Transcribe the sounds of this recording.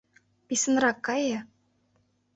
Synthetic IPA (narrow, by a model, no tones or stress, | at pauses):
pʲisɤ̆nrɑkːɑjɤ̆